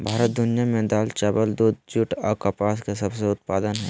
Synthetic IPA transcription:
bʱaːɾət̪̚d̪ʊnijamẽd̪aːlt͡ʃabəld̪uːd̪̚d͡ʒʊʈɔːɾkɐpaːs̬kesɐbseʊt̪̚paːd̪ənɦɛː

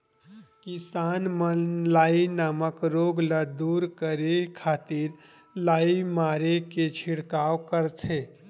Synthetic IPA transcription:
kɪsaːnməlaːinəməkɾoːɡləd̪uːɾkəɾekʰaːt̪iɾ | laːimaːɾeket͡ʃʰɪɽkaːokəɾt̪ʰeː

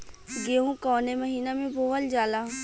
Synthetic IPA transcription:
ɡeːɦũkɔːneməɦiːnamẽboɦəld͡ʒaːlaɦ

